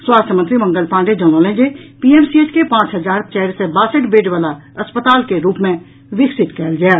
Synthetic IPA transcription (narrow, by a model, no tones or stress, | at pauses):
swaːst̪ʰəmə̃nt̪ɾimə̃ŋɡəlpãːɳɖed͡ʒəːnoːlẽːd͡ʒepiːɛːmsieːt͡ʃkepãːt͡ʃɦəzaːɾpt͡ʃɛːɾsẽbaːsəʈbeːɖʋaːla | ɐspət̪aːlkeɾuːpmẽ | ʋɪksɪt̪kɛːld͡ʒaː